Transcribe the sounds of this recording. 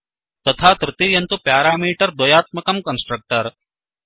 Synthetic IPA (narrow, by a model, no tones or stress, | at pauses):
t̪ɐt̪ʰaːt̪ɾɪt̪ijɐnt̪upjaːɾaːmiːʈɐɾd̪wɐjaːt̪̚mɐkɐmkɐnsʈɾɐk̚ʈɐɾ